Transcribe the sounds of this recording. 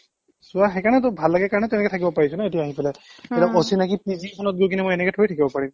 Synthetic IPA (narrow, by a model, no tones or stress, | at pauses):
sʊaxɛkaɹnɛtʊbʱalːaɡɛkaɹɔnɛtɛnɛkɛtʰakibɔpaɹisɔnaetiaaɦipɛlɛɛlaʔosinakipizikʰɔnɔt̚ɡojkinɛmojɛnɛkɛtʰɔɹitʰakibɔpaɹim